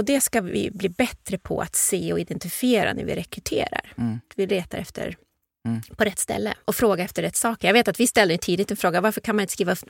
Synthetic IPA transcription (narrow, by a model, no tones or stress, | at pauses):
ɔd̪ɛskavɪ̰bliːbɛt̪ːɾəpʰɔ̰ʔa̰t̪seːɔɪd̪ɛnt̪ɪfieːɾa̰næ̰ɾvɪ̰ɾɛkɾɵt̪ʰḛːɾa̰ɾvɪlleːt̪aɾɛft̪ʰə̰ɾ | pʰɔɾɛt̪ːst̪ɛ̰lːə̰ʔɔfɾoːɡaɛft̪əɾɛt̪ːsɑːkəjaɡveːt̪at̪vɪst̪ɛlːəɾjt̪ʰiːd̪ɪt̪ɛnfɾoːɡavaɾfəɾkʰanmanɪnskɾiːva